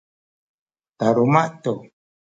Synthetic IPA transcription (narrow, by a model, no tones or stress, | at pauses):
t̪aɾumaʔt̪o